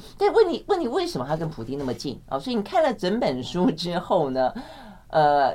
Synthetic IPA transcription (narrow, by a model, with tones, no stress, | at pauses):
t̪a˥˧˥wə˥˩ni˨˩wə˥˩ni˨˩we˥˩ɪʂə˧˥mə˧˩a˧˥ɪkə˥npʰu˨˩t̪i˥ŋna˥˩mə˩t͡ɕḭ˥˩n̰˧˩swɔ˧˥i˧ni˨˩kʰa˥˩nlə˩ʈ͡ʂə˧˥npə˨˩nʂu˥ʈ͡ʂɻ̩˥xo˥˩ʊnə˩ | ə˧